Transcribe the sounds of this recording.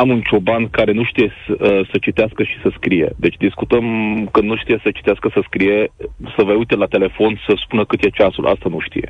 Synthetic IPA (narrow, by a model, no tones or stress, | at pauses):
amunt͡ʃo̞bankaɾe̞nuʃt̪ije̞sət͡ʃit̪easkəʃi̥səskɾije̞̰d̪e̞t͡ʃʲd̪iskut̪əmkɨnd̪nuʃt̪ijesət͡ʃi̥t̪easkəsəskɾije̞səvəujt̪elat̪e̞le̞fo̞nsəspunəkɨt̪je̞t͡ʃasulʔa̰st̪anuʃt̪ḭje̞̰